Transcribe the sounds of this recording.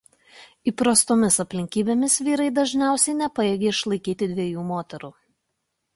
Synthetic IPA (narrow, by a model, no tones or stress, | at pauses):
iːpɾɐst̪oːmʲɪsɐpʲlʲɪŋʲkʲiːbʲeːmʲɪsʋʲiːɾɐɪd̪ɐʒʲnʲæˑʊsʲɛɪnʲɛpɐeːɡʲeːɪʃlˠɐɪkʲiːt̪ʲɪd̪ʲʋʲiɛjuːmoːt̪ʲɛɾuː